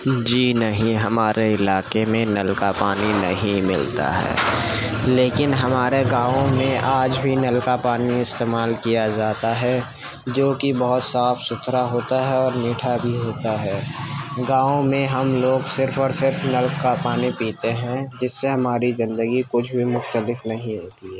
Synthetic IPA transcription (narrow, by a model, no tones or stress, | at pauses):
d͡ʒiːnəɦĩɦɐmaːɾʔeɪlaːkemẽnəlkapaːninə̰ɦĩmɪ̰lt̪a̰ɦɛ̰ː | leːkɪnɦɐmaːɾeɡãːõmẽʔaːd͡ʒbʱinɐlkapaːniɪst̪eːmaːlkijad͡ʒaːt̪aɦɛ | d͡ʒoːkibɐɦʊt̪saːfʰsʊt̪ʰɾaɦoːt̪aɦɛɔːɾniːʈʰabʱiɦoːt̪aɦɛːɡãːõmẽɦɐmloːɡsɪɾfɔːɾsɪɾfnəlkkapaːnipiːt̪eɦɛ̃d͡ʒɪsːeɦɐmaːɾizɪ̃nd̪əɡikʊt͡ʃʰbʱimʊxt̪əlɪfnɐɦĩɦoːt̪iɦɛː